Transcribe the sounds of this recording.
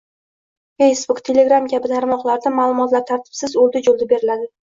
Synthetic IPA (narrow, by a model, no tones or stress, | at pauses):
fejsbʊkt̪ʰe̞le̞ɡɾamkʲabɪt̪ʰaɾmɒqlˠaɾd̪amaːlˠʊmɒt̪laɾt̪ʰaɾt̪ʰɪ̥b̥sɪzolˠd̪ɪd͡ʒolˠd̪ɪbeɾɪlad̪ɪ